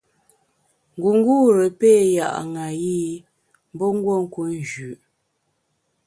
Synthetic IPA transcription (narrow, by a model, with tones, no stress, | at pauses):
ŋ˨ɡu˨ŋ˦ɡu˦ɾə˨peː˦˨ja̰˨ʔŋa˨ji˦ | m˦bɔ˦ŋ̩˦ɡwo˦˨ŋ̩˦ku˦n˨d͡ʒʉ˨ʔ